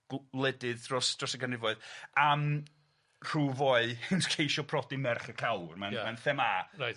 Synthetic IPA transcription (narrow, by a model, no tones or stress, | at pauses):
ɡ̥lˠɛdɪðrɔsd̥rɔsəɡənrɪvɔɨðam | r̥uːvoɨhɪnskʰejʃɔpʰrɔdimɛrχəkʰalˠrmanmanθɛmara